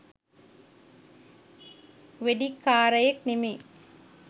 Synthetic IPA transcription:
ʋeɖikːaːɾɐjeknimi

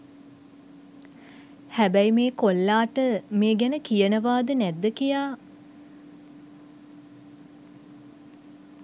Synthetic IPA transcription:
hæbæjmeːkolːaːʈəmeːɡænəkijənəʋaːd̪ənæd̪ːəkijaː

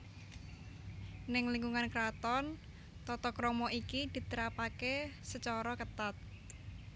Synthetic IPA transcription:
nɪŋliŋɡuŋankɾat̪ɔn | t̪ɔt̪ɔkɾɔmɔʔikid̪̥i̤t̪əɾapakesət͡ʃɔɾɔkət̪at̪̚

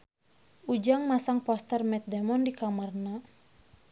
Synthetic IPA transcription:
ʔud͡ʒaŋmasaŋpɔst̪ərmɛt̪̚dɛmɔndikamarna

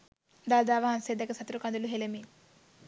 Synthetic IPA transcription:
d̪aːd̪aːʋɐɦɐnsed̪ɐkɐsɐt̪ɾukɐnd̪uluɦelemi

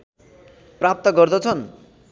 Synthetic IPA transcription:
prap̚t̪ʌɡʌrd̪ʌt͡sʰʌn

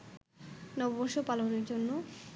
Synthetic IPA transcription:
nɔbobɔɾʃopaloneɾd͡ʑonːo

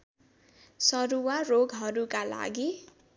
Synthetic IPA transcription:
sʌɾuwaroɡɦʌɾukala̰ɡi

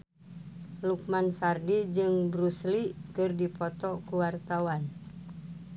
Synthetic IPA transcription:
luk̚mansardid͡ʒɨŋbɾuslikɨrdipɔt̪ɔkuwart̪awan

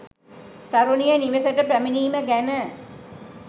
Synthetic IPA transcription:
t̪aɾunijəniʋesəʈəpæminiːməɡænə

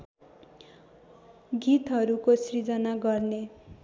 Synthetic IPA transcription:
ɡit̪ɦʌɾukosrid͡zʌnaɡʌrne

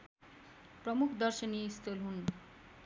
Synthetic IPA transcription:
prʌmukʰd̪ʌrsʌnijeist̪olɦun

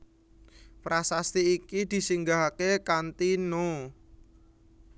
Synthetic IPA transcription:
pɾasast̪iikid̪̥i̤siŋɡaɦakekant̪ino

